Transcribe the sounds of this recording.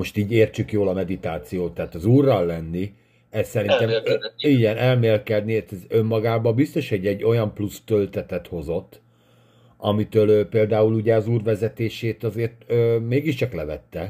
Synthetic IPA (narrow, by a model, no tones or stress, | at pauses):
mo̞ʃt̪iːɟeːrt͡ʃykjoːlɒmɛd̪it̪aːt̪sijoːt̪ːaɦːt̪ɒzuːrːɒlːɛnːi | ɛssɛɾint̪ɛmiɟɛnʔɛlmeːlkɛd̪nit̪ɛzømːɒɡaːbɒbist̪o̞ʃhoɟːɛɟːo̞jɒmplust̪ølt̪ɛt̪ɛt̪ho̞zo̞t̪ː | ɒmit̪øːløːpeːld̪aːuluɟɛɒzuːrvɛzɛt̪eːʃeːt̪ɒzeːrt̪øːmeːɡiʃt͡ʃɒklɛvɛt̪ːɛ